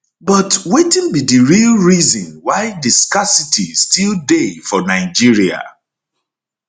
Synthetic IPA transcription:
bɔtwetĩnbidiɹilˠɹizɔ̃nwaɪdiskasitʰistilˠdefɔnaɪd͡ʒiɹia̰

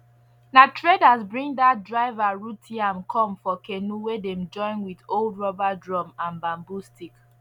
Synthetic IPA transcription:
natʰɹedazbɹĩŋdatdɹaɪvaɹutʰiãmkʰɔ̃mfɔkenuwedɛ̃md͡ʒɔ̃ɪ̃nwidoldɹɔbadɹɔ̃mãnbãmbustʰik

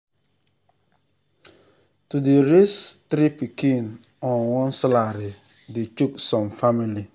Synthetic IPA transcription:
tudeɾestɾipikin | ɔnwɔ̃nsalaɾi | det͡ʃuksɔ̃mfamili

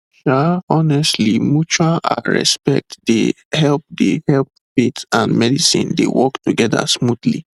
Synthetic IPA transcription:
ʃaɔnɛstlimut͡ʃaʔa̰ɹɛ̰spɛ̰k̚tde | hɛlp̚dehɛlp̚ | fetãndmɛdisḭ̃ndḛwɔktuɡɛda̰smudlḭ

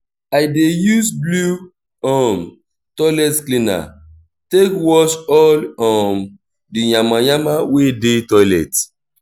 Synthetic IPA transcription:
ajdejusblu | ɔm | tɔlɛtklĩna̰ | tekwɔʃɔlɔm | dijãmãjamawedetɔlɛt

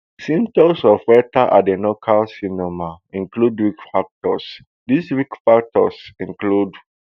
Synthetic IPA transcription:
sĩntɔsɔfwɛtaʔa̰denokʰalsinɔmaĩŋkludwikfak̚tɔs | diswikfak̚tɔ̰sĩŋklud

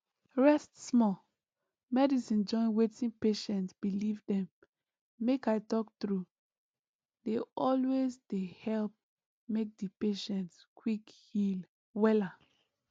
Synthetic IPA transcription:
ɹɛstsmɔ | mɛdisĩnd͡ʒɔ̃ɪ̃nwetĩnpeʃɛ̃ntsbilivdɛ̃mː | ekaɪtɔk̚tɹu | deɔlwezdehɛlp̚ | mek̚dipeʃɛ̃ntskwikhil | wɛla

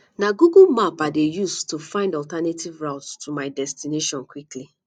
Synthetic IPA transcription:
naɡuɡulmapadejustufãɪ̃ndɔltanetʰivɹaʊtstʰumaɪdɛstineʃɔ̃nkwikli

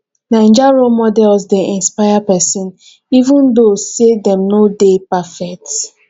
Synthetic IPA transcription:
nãɪ̃nd͡ʒaɹomɔdɛlsdeĩnspajapɛsĩn | ivũndosedɛ̃mnodepafɛk̚t

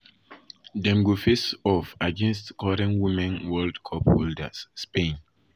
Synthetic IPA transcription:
dɛ̃mɡufesɔfaɡɛ̃nstkʰɔɾɛ̃nwimɛ̃nwɛldkʰɔpholdə̰sːpẽn

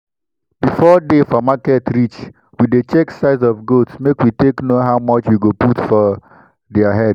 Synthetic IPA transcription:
b̥ifɔdefɔmakɛtʰɾit͡ʃ | widet͡ʃɛksaɪzɔvɡotsmekwiteknoɦaʊmɔt͡ʃjuɡoputfɔ | dɛaɦɛd̥

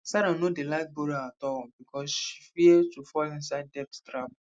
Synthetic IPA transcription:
saɾãnodelak̚bɔɾiaatɔlbikʰɔsʃi̥fiɛdtufɔĩns̬aɪd̚dɛf̚ttɾab

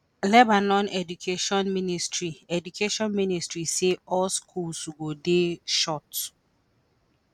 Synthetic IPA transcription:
lɛbanɔ̃nɛdukʰeʃɔ̃nministʰɹiɛdukʰeʃɔ̃nministɹiseɔlskʰulsuɡodeʃɔt

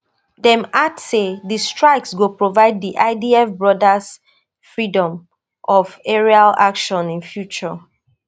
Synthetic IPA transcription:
dɛ̃matsedistɹaɪksɡupɹovaɪd̚diʔaɪdiɛfbɹɔdas | fɹidɔ̃m | ʔɔvɛɹialakʃɔ̃nĩnfjut͡ʃɔ

